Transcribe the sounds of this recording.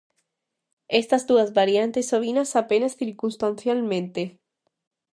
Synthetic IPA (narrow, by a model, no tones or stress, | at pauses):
est̪azd̪uazβaɾjant̪esoβinasapenasθiɾkunst̪anθjalmẽnt̪e